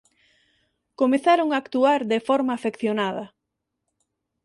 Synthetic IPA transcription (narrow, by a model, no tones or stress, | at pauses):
komeθaɾoŋaːkt̪uaɾðefɔɾmaːfekθjonaðɐ